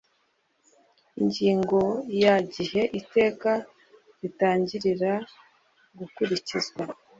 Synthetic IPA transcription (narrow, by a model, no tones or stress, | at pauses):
iɲɟiːŋɡo̞jaɟiɦe̞ʔite̞ːka | ɾitaːɲɟiɾiɾa | ɡukuɾicizwa